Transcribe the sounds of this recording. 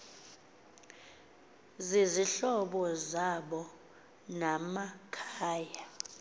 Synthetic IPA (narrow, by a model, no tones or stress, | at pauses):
ziziɬɔɓɔzaɓɔ | namakʰaːja